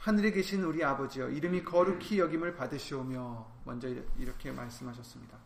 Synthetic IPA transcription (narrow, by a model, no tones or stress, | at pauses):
hanɯɾeɡe̞ɕʰinuɾiabʌd͡ʑijʌʔiɾɯmikʌɾukʰijʌɡimɯɭpadɯɕʰiomjʌ | mʌ̰nd͡ʑʌiiɾʌkʰe̞maɭs͈ɯmɦaɕʰʌs͈ɯmɲida